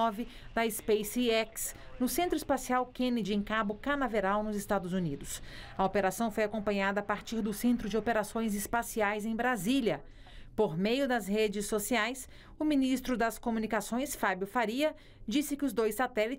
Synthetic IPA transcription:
ɔvɪd̪ɐɪspejsiɛks | nʊsẽnt̪ɾʊɪspasiawkẽnɪd͡ʒẽkabʊkɐnaveɾawnʊzɪst̪ad̪ʊzunid̪ʊsɐopeɾasɐ̃w̃fojakõpɐ̃ɲad̪ɐːpaɾt͡ʃiɾd̪ʊsẽnt̪ɾʊd͡ʒɪopeɾasõj̃zɪspasiajzẽj̃bɾaziljɐ | poɾmejʊd̪ɐzhed͡ʒɪsːosiajs | ʊminist̪ɾʊd̪ɐskomunikasõj̃sfabjʊfaɾiɐ | d͡ʒisɪkɪʊzd̪ojssat̪ɛlit͡ʃ

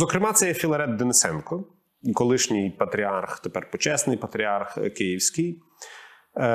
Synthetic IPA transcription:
zɔkɾɪmɑt̪sɛjɛfʲilˠɐɾɛd̪d̪enɪsɛnkɔ | ikɔlˠɪʃnʲijpɐt̪ɾʲiɑrxt̪epɛrpɔt͡ʃɛsnɪjpɐt̪ɾʲiɑrxkɪjiwsʲkɪj

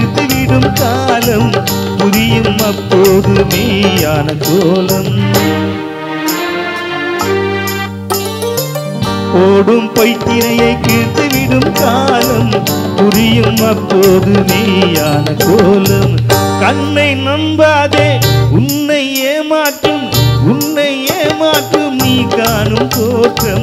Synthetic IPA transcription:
t̪ːɯʋɪɽɯmkaːlɐm | pʊɾɪjɯmɐpːoːðɯmeːjaːnɐkoːlɐm | poːɽɯmpɐɪt̪ːɪnɐjɐɪkiɻt̪ːɯʋɪɽɯmkaːlɐm | pʊɾɪjɯmɐpːoːðɯʋiːjaːnɐkoːlɯmkɐnːɐɪnɐnbaːðeːʊnːɐɪeːmaːʈrɯmʊnːɐɪeːmaːʈrɯmniːkːaːnɯmkoːʈrɐm

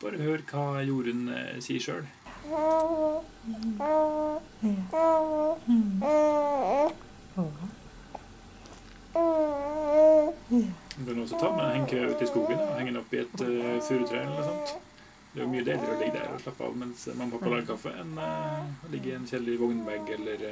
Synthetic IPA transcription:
b̥ɑːɾəɔhøːɾkʰɑːjuːɾənsḭːəʂø̰ːɽ | ɡɑnɔsɔt̪ʰɑːmɛnnhɛŋːkʰɾʉ̰ːt̪ɪskuːɡənɔhɛŋːənɔpːɪɛt̪fʉːɾʉt̪ʰɾɛːɛlːəɾsɑnt̪ | d̪ɛɾjʊmyːəd̪eːləɾəɔlɪɡːəd̪æ̰ɾɔ̰ʂɭɑpːəɑ̰ʋmɛnsmɑŋːəpʰɑpːɑlɑːɾkʰɑfːə̰ɛn | lɪɡːəɾɪɛnçɛlːɪʋɔŋnbæɾɡɛlːəɾ

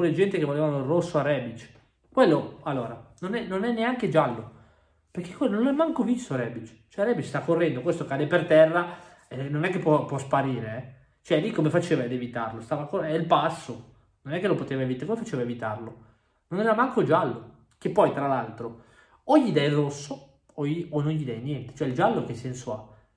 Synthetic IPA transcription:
kolːed͡ʒɛnt̪ekevoleːvanoirːosːoarɛbit͡ʃ | kwelːoalːoːɾanonɛnonɛnːeaŋked͡ʒalːo | perkekwelːononlɛmːaŋkovisːoɾɛːbit͡ʃ | t͡ʃoɛɾɛbit͡ʃst̪akːorːɛnd̪okwest̪okaːd̪epert̪ɛrːa | enonɛkːepːwɔpwɔspaɾiːɾeɛ | t͡ʃoɛlikːomefat͡ʃeːvaed̪evit̪arlost̪aːvakoɛilpasːo | nonɛkːelopot̪eːvaevit̪komefat͡ʃeːvaevit̪arlo | nonɛɾamaŋkod͡ʒalːo | kepːɔjt̪ɾalalt̪ɾo | oʎːid̪ɛjrosːo | oionːonʎid̪ɛjnjɛnt̪e̥t͡ʃoɛild͡ʒalːokesːɛnsoa

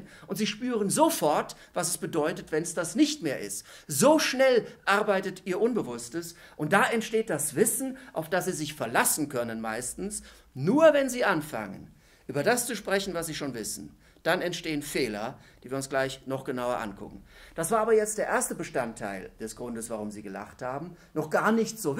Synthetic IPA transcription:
ʔʊntz̥iːʃpyːʁənzofɔɐtv̥asɛsb̥ədɔʏtətv̥ɛnsd̥asnɪçtmeːɐʔɪ̰stz̥oːʃnɛlʔaɐbaɪtətiːɐʔʊnbəvʊstəsʔʊnt̚d̥aʔɛntʃteːt̚d̥asv̥ɪsn̩ʔaʊfd̥asz̥iːzɪçfɛɐlasn̩kʰœnənmaɪstn̩s | nuːɐvɛnziːʔanfa̰ŋə̰n | ʔyːbɐdast͡suʃpʁ̥ɛçn̩vasz̥iːʃoːnvɪsn̩ | d̥anɛntʃteːənfeːlɐd̥iːviːɐʊnsɡ̥laɪçnɔχɡ̥ənaʊɐ̰ʔa̰nkʰʊ̰kŋ̩d̥asv̥aːɐaːbɐjɛt͡std̥eːɐʔeːɐstəbəʃtantʰːa̰ɪld̥ɛsɡ̥ʁʊndəsv̥aʁʊmziːɡəla̰χthaːbm̩ | nɔχɡ̥aːɐnɪçtz̥oː

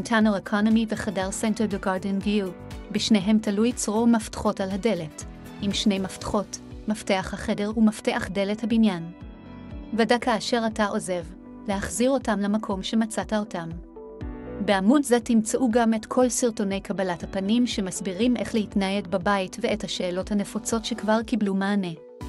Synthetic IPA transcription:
ntʰanoekʰonomiveχadaʁsenteʁdeɡaʁdenɡi | biʃne̞jɦe̞mtalujt͡sʁo̞maftḁχo̞talhade̞le̞t | ʔimʃne̞jmaftḁχo̞t | mafte̞aχhaχe̞de̞ʁumafte̞ʔaχde̞lethabinjan | vadakaːʃe̞ʁataʔo̞ze̞v | le̞haχziʁo̞tamlamakʰo̞mʃe̞mat͡satao̞tam | beamudze̞timt͡seʔuɡame̞tkʰo̞lsiʁto̞ne̞jkʰabalathapanimʃe̞masbiʁimʔe̞χle̞hitnajeɡbabaitveethaʃe̞ːlo̞thane̞fot͡so̞tʃe̞kvaʁkiblumaːne̞

